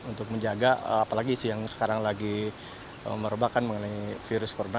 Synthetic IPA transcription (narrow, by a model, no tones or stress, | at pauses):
unt̪ʊk̚məɲd͡ʒaɡaə̰apalaɡiːsujaŋsə̥kaɾaŋlaɡi | ə̰məɾobakanməŋənaifiɾʊskoɾona